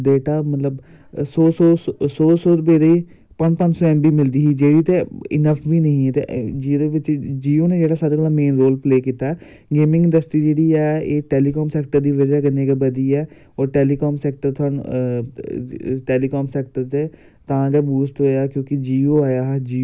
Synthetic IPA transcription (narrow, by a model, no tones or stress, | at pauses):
ɖeːʈaːmət̪ləb | soːsoːsoːsoːɾbeːɾeiː | pəɲd͡ʒpə̃ɲd͡ʒsɔːɛ̃ːmbiːmɪld̪iːɦiːd͡ʒeːɽiːt̪eɪ̰nəpʰbiːnəɦĩːɛːt̪ḛd͡ʒiːd̪eːʋɪt͡ʃd͡ʒiːoːneːd͡ʒeːɽaːsaəɾkəlaːmeːnɾoːlpleːkiːt̪aːɛː | ɡeːmɪ̃ŋɡɪ̃ɳdɖəsʈɾiːd͡ʒeːɽiːɛːeːʈɛːliːkɔːmsɛːkʈəɾd̪iːʋəd͡ʒaːɡəneːɡebəd̪iːɛː | ɔːɾʈɛːliːkɔːmsɛːk̚ʈəɾt̪ʰʊəɳ | ʈɛːliːkɔːmsɛːk̚ʈəɾt͡ʃe | t̪ãːɡɛːbuːsʈɦoːjaːkjõːkɪd͡ʒiːoːaːjaːɦd͡ʒiː